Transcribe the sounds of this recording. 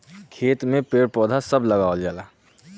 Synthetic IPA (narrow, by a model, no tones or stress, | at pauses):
kʰeːt̪mẽpeːɾpɔːd̪ʱasəbʱləɡaːwld͡ʒaːlaː